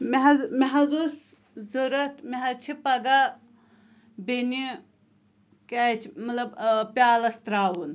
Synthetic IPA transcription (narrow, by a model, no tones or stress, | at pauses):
meɦɐzmeɦɐzus | zuɾɐt̪ʰmeɦɐt͡ʃʰipɐɡa | beni | kat͡ʃʰmɐt̪lɐbpʲjaːlɐst̪ɾaːwun